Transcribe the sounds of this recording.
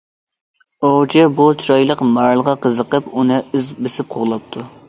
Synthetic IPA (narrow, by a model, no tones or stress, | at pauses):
oʁd͡ʒɛbut͡ʃʰɾɑjlˠəqmɑɾlˠʁɑqʰəzəqəpunɨyzbɪsɪp̚qʰoʁlˠɑp̚t̪ʰu